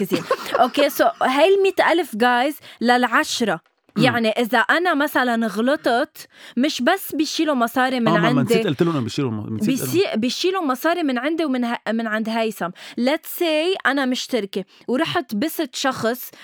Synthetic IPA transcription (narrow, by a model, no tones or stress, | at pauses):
ɪziːʔokeːsoɦajlmiːt̪ʔalfɡaːjzlalʕaʃɾˤɑ | jaʕniʔɪzaʔanamasalanɣlɨt̪ˤɑt̪mɪʃbasːbiʃiːlumɑsˤɑːɾimɪnʕɪnmnd̪iʔɪlt̪ɪlːuʔbiʃilṵiːʔbiʃiːlumɑsˤɑːɾimɪnʕɪnd̪iwmɪnmɪnʕand̪ɦajsamlat̪seːjʔanamɪʃt̪ɪɾkewɾˤɑːħɪt̪bɪsɪt̪ʃɑxsˤ